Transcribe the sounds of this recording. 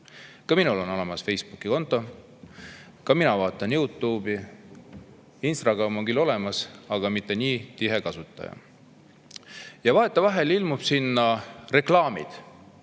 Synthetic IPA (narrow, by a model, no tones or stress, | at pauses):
kɑminulo̞no̞le̞mɑsfe̞jsb̥ukːˑiko̞nt̪ˑːo̞ | kɑminɑvɑːt̪ˑːɑnjuːt̪ˑːuːbi | inst̪rɑɡ̥ɾɑmːuɡ̥ilo̞le̞mɑsɑɡɑmit̪ːˑe̞niːt̪iɦe̞kɑsut̪ˑːɑ̰jɑ̰ | jɑvɑet̪ːˑɑvɑɦe̞lilmub̥sinːɑre̞klɑːmḭd̪̥